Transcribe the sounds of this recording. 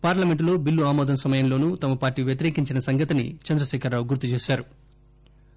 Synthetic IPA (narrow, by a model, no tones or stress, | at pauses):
paːɾlɐmeɳʈloːbilːuaːmɔːd̪ɐnsɐmɐjɐmlo̞ːnuːt̪ɐmɐpaːɾʈiːʋjɐt̪iɾe̞ːkiɲt͡ʃinɐsɐŋɡɐt̪inḭt͡ʃɐnd̪ɾɐʃɛːkʰɐɾːaːwuɡuɾt̪ːut͡ʃe̞ːʃaːɾu